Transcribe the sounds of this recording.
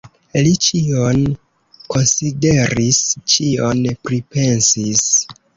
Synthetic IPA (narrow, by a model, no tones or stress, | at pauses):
lit͡ʃion | ko̞nside̞ɾist͡ʃio̞npɾipe̞nsis